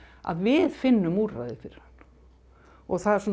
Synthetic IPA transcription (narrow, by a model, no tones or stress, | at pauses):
a̰ðvɪðfɪnːʏmuːɾra̰jðɪfɪɾɪɾ̥han̥ː | ɔɣθaðɛɾsɔm